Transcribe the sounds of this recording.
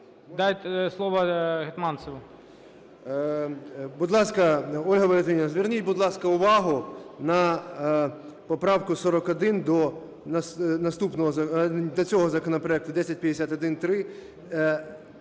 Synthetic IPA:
d̪ajt̪ʲslˠɔʋɐɦet̪mɑnsɔʋɐ | bʊd̪lˠɑskɐɔlʲɦɐbɔlʲɛt̪ʋʲinʲinɐzʋʲɪrnʲitʲbʊd̪lˠɑskɐʊʋɑɦʊnɐ | pɔpɾɑwkʊsɔɾɔkɔd̪ɪnd̪ɔ | nɐsnɐst̪upnɔɦɔɐd̪ɔt͡sʲɔɦɔzɐkɔnɔpɾɔɛk̚t̪ʊd̪ɛsʲɐt̚ʲpʲjɐd̪esʲat̪ɔd̪ɪnt̪ɾɪ

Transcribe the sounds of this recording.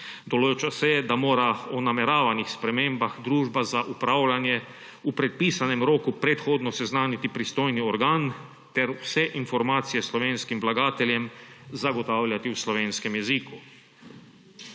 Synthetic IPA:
d̪ɔlot͡ʃasɛjɛd̪amoːɾaɔnamɛɾaːʋanixspɾɛmeːmbaxd̪ɾuːʒbazaʔupɾaːwlanjɛ | upɾɛt̪̚piːsanɛmɾoːkupɾɛt̪xoːd̪nɔsɛznaːnit̪ipɾist̪oːjniɔɾɡaːn | t̪ɛɾwsɛʔinfɔɾmaːt̪sijɛslɔʋeːnskimʋlaɡaːt̪ɛlʲjɛmzaɡɔt̪aːwlʲjat̪iwslɔʋeːnskɛmjɛziku

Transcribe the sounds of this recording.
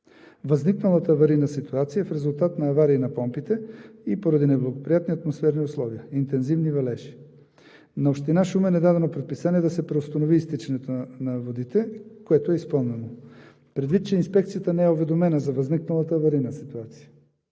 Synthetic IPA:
vɐzniknɐlˠət̪əːvɐɾinəsit̪uat̪sijəfɾɛzʊlˠt̪at̪nɐːvaɾiːnɐpɔmpit̪ɛipoɾɐd̪inɛblˠɐɡopɾijat̪niɐt̪mosfɛɾniʊslˠɔviəint̪ɛnzivnivɐlɛʃi̥ | nɐopʃt̪inaʃumɛnɛd̪ad̪ɛnopɾɛt̪̚pisaniɛd̪ɐsɛpɾɛʊst̪ɐnoviːst̪it͡ʃɛnɛt̪onɐvod̪it̪ɛkoɛt̪oɛispəlˠnɛno | pɾɛd̪vit̪̚t͡ʃɛinspɛk̚t̪sijət̪ənɛɛovɛd̪omɛnəzɐvɐzniknɐlˠət̪əvɐɾinəsit̪uat̪sijə̥

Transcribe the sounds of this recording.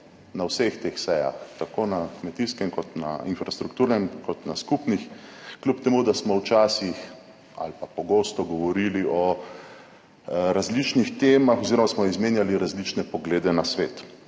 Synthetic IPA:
nawsext̪eːxsɛja̰xt̪akoːnakmɛt̪iskɛmkɔt̪na̰infɾast̪ɾukt̪uːɾnɛmkɔt̪naskupnixklʲupt̪ɛmud̪asmɔwt͡ʃaːsix | a̰lpapɔɡoːst̪ɔɡɔʋɔɾiliʔɔ | ɾazlit͡ʃnixt̪eːmaxɔziɾɔmasmɔizmeːnjaliɾazlit͡ʃnɛpɔɡleːd̪ɛnasʋeːt̪

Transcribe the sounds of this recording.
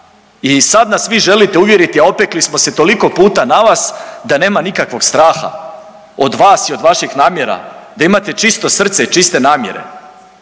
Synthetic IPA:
isad̪nasʋiʒe̞lit̪e̞uʋje̞ɾit̪iaopeklismo̞set̪o̞liko̞puːt̪anaʋasd̪ane̞ːmanikakʋo̞ɡst̪ɾaːxa̰ | od̪ʋaːsio̞d̪ʋaʃixnaːmje̞ɾa̰d̪aimat̪e̞t͡ʃist̪o̞sr̩t̪seit͡ʃist̪e̞naːmjḛɾe̞̰

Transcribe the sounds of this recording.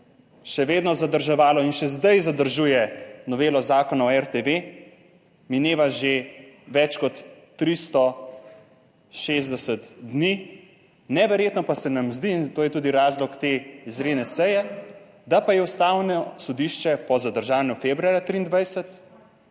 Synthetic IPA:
ʃɛʋeːd̪nɔzad̪əɾʒɛʋaːlɔinʃɛzd̪ajzad̪əɾʒuːjɛnɔʋeːlɔzaːkɔnaɔɛɾt̪eʋe | mineːʋaʒeʋɛt͡ʃkɔt̪ː | ɾist̪ɔ | ʃeːzd̪ɛsɛt̪d̪ni | nɛʋɛɾjeːt̪nɔpasɛnamzd̪iːnt̪oːjɛt̪uːd̪iɾaːzlɔkt̪eizɾeːnɛsɛjɛ | d̪apajɛust̪aːwnɔsɔd̪iʃt͡ʃɛpɔzad̪əɾʒaːnjufebɾuaːɾjat̪ɾiːnd̪ʋajsɛt̪

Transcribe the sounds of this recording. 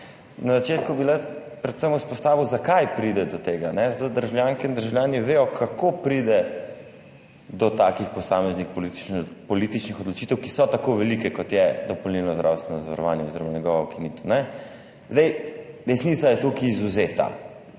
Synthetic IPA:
nazat͡ʃet̪kubila | pɾɛt̪səmuspɔst̪aːʋiwzakajpɾid̪ɛd̪ɔt̪eːɡanɛzat̪od̪əɾʒawljaŋkɛind̪əɾʒawljaːniʋeːjɔkʰakopɾid̪ɛ | d̪ɔt̪akixpɔsamɛznixpɔlipɔlit̪it͡ʃnixɔd̪lɔt͡ʃit̪ɛwkisɔt̪akoʋɛlikɛkɔt̪jɛd̪ɔpɔlnilnɔzd̪ɾa̰wst̪ʋɛnɔzaʋɐɾɔ̰ʋa̰ːnjɛɔziɾɔmanɛɡɔʋɔwkinit̪ɔ̥nɛ | zd̪ɛjɾɛsnit̪sajɛt̪ukiːzuzet̪a̰

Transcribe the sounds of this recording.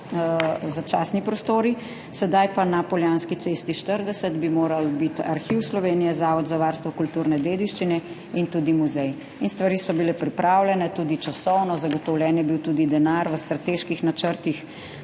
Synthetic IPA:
zat͡ʃaːsnipɾɔst̪oːɾi | sɛd̪ajpanapɔljaːnskit̪sest̪iʃt̪əɾd̪ɛsəd̪bimoːɾalbit̪a̰ɾxiwslɔʋeːnijɛzaːʋɔd̪zaʋaːɾst̪ʋɔkult̪uːɾnɛd̪eːd̪iʃt͡ʃinɛ | int̪ud̪imuzɛj | inst̪ʋaɾiːsɔbilɛpɾipɾaːwlʲɛnɛt̪uːd̪it͡ʃasɔwnɔzaɡɔt̪ɔwljɛːnjɛbiwt̪uːd̪id̪ɛnaɾʋəst̪ɾat̪eːʃkixnat͡ʃəɾt̪ix

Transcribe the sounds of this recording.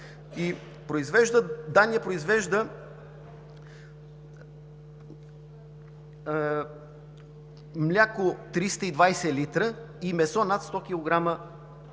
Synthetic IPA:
i | pɾoizvɛʒd̪əd̪aniɛpɾoizvɛʒd̪ə | mlʲakʊt̪ɾist̪əid̪vajsɛlit̪ɾə | imɛsɔnat̪st̪ɔkʲilˠoɡɾamə

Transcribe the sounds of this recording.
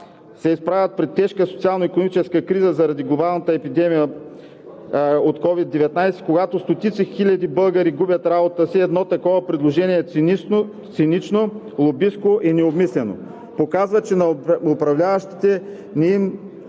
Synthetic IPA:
sɛispɾavʲɐt̪̚pɾɛt̪ːɛʃkəsot̪ialˠnoikonomit͡ʃɛskəkɾizəzɐɾɐd̪iɡlˠobalˠnət̪əɛpid̪ɛmijə | ot̪kɔvid̪ːɛvɛt̪najsɛ̥koɡat̪ost̪ot̪it̪sixilʲɐd̪ibɤlˠɡəɾiɡubʲɐt̪ɾabot̪əsiɛd̪nɔt̪ɐkɔvɐpɾɛd̪lˠoʒɛniɛ | t̪sinit͡ʃno | lˠobiskoʔinɛobmislɛno̰ | pokazvət͡ʃɛnɐʊpɾɐvlʲavəʃt̪i̥t̪ɛ | nɛim

